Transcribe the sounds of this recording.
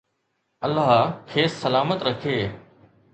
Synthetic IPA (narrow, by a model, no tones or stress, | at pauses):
ɐlːaɦkʰeːsːəlaːmət̪ɾɐkʰeː